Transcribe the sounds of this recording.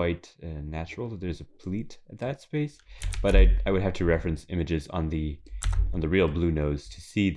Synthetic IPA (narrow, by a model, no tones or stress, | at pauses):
aɪtʌnæt͡ʃɹl̩ˠðət̪̚ðə˞zɨpʰl̥iɾɨt̪̚ðɨtspeɪsb̥ʌɾaɪaɪwɨd̚ɦæftʰɨɹɛfɹɨ̃nsɪ̰̃mɨd͡ʒɨzn̩ðĩ | n̩ðɨɹilˠblʉnoʊz̥tʰɨsi